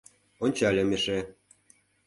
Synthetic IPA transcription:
onʲt͡ɕɑlʲɤ̆meʃe

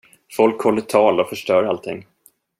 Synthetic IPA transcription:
fɔlkhɔlːəʈ̪ʰɑːlɔfœʂʈœːɾalt̪ʰɪ̰ŋː

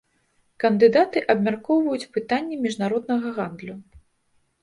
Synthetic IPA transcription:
kɐnd̪ɨd̪at̪ɨʔɐbmʲarkɔwvɐjut͡sʲpɨt̪anʲːɛmʲiʐnaɾɔd̪̚nɐɣɐɣand̪lʲu

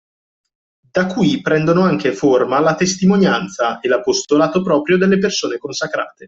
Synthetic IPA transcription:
d̪akːwipɾɛnd̪onoaŋk̟eformalat̪est̪imonjant̪saelapost̪olaːt̪opɾɔːpɾjod̪elːepersoːnekonsakɾa̰ːt̪e

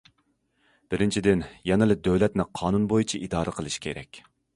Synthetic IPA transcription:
b̥ɪɾɪnt͡ʃʰid̪ɪnjɑnɨlˠɨd̪øwlɛt̪nɪqʰɑːnunbojut͡ʃʰiʔid̪ɑːɾɨqʰəlˠɨʃkʲʰeɾɛ̰kʲ

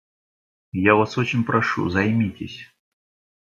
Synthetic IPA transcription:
javasot͡ɕɪnʲpɾɐʂṵzɐjmʲitʲɪsʲ

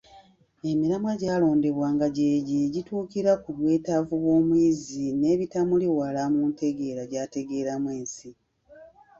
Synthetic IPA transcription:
e̞miɾamaɟaːlo̞ːnde̞βwaːŋɡaɟe̞ːɟeɟituːkiɾakuβwe̞ːtavuβwo̞ːmwiːzine̞ːβitamuliwalamuːnte̞ɡe̞ːɾaɟaːte̞ɡe̞ɾamweːnsi

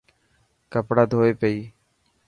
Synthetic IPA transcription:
kəpɽaːd̪ʱoːeːpeiː

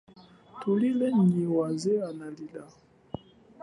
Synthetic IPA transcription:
tulilɛɲiwazɛanalila

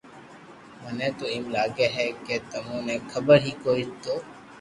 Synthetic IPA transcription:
mənẽːt̪oːɪmlaːɡeːɦɛːkeːt̪əmõːneːkʰəbəɾɦiːkoːit̪oː

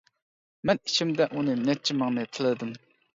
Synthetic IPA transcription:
mənɕʰəmd̪aʔoninalt͡ɕəmaŋnat̪ʰəlɦd̪əm

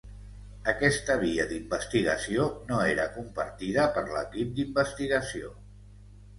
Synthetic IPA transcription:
əkɛst̪əβ̞iəðimbəst̪iɣəsionoeɾəkumpəɾt̪iðəpəɾlə̰kip̚d̪imbəst̪iɣəsio

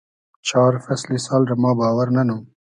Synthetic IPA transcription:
t͡ʃɑːɾfaslisɑːlɾamɑːbɑːwaɾnanum

